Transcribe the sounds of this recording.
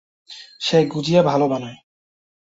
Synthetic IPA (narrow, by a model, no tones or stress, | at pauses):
ʃejɡud͡ʑijabʱalobanɔe